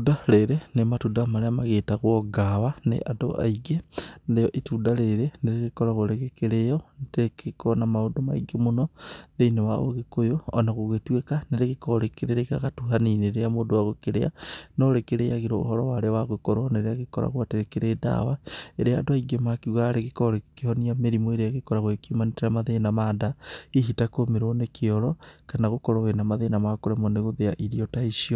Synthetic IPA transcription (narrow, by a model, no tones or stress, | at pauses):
udaleɾenematudamaɾeamaɣetaɣoɡaβanḛʔado̰a̰iɡendejoʔitudaleɾeneɾeɣekoɾaɣoɾeɣekeɾejondeekekonamaudoma̰ḭɡemunondeinewao̰ɣekojoonaɣoɣetwekaneɾeɣekoɾekeɾeɾekaɣatuhanineɾeamodowaɣokeɾḛa̰nɔɾekeɾejaɣiɾoo̰hɔɾɔwaɾewaɣokɔɾɔneɾeaɣekɔɾa̰ɣwateɾekeɾeda̰waeɾeadoaiɡemakiɣwaɾeɣikɔɾekehɔniameɾimoeɾeaɣekɔɾaɣwkiomaniteɾamaðenamaːndaiɦitakomeɾɔnekeɔɾɔkanaɣokɔɾɔwenamaðenamakoɾemɔneɣoðeaʔiɾiɔtaiʃiɔ